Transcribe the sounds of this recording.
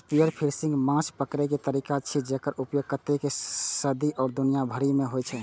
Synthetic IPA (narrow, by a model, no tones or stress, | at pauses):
pijəɾpʰiɾsĩŋɡmãt͡ʃʰpəkɾɛket̪əɾikat͡ʃʰid͡ʒekəɾupjoɡ̚kət̪ekesəd̪iʔɔːɾd̪unijabʱəɾimeɦojt͡ʃʰɛ